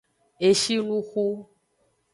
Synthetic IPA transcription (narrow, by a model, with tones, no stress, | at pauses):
e˨ʃi˦lũ˦xu˦